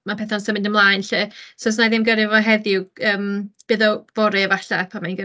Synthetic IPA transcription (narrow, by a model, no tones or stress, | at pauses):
mapʰɛθansəmɪdəmlˠaːjnɬɪːsɔs̬naðɪmɡəɾɪvɔɦɛðɪwəːmb̥ɨːðɔv̥ɔɾɨəvaɬapʰamanɡə